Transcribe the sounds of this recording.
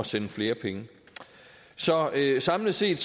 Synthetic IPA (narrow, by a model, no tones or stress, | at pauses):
ɒ̽senəfle̝ːɐpʰeŋə | sɒ̽øsɑ̈mləse̝̰ːd̥s